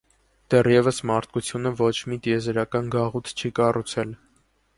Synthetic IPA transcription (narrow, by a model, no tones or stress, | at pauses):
d̪̥ɛrjɛvəsmɑɾt̪̚ʰkut͡sʰjunəvɔt͡ʃʰmit̪jɛzɾɑkɑnɡɑʁut̪ʰt͡ʃʰikɑrut͡sʰɛl